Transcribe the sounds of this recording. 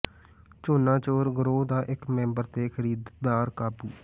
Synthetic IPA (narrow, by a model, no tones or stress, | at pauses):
t͡ʃoːnãːt͡ʃoːɾɡəɾoːd̪aːʔɪkmɛ̃ːmbəɾt̪eːkʰəɾiːd̪d̪aːɾkaːbuː